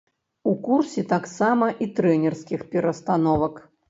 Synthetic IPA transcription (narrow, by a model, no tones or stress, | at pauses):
ukursʲɛt̪aksamɐʔit̪ɾɛnʲɛrskʲixpʲɛɾɐst̪anɔvɐk